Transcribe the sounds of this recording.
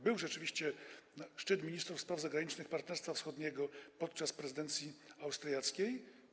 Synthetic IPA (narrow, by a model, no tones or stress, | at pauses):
bɘwʐɛt͡ʂɘvʲiɕt͡ɕɛʂt͡ʂɘt̪mʲiɲist̪ɾufspɾavzaɡɾaɲit͡ʂnɘxpaɾt̪nɛɾst̪fafsxɔd̪ɲɛɡɔpɔt̪̚t͡ʂaspɾɛzɘd̪ɛnt̪sʲjiawst̪ɾjat̪skʲej